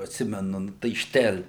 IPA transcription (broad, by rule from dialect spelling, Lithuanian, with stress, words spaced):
ɐtʲˈsʲɪmʲɛnʊ ˈnʊ tɐɪ ˈʃʲtʲɛlʲ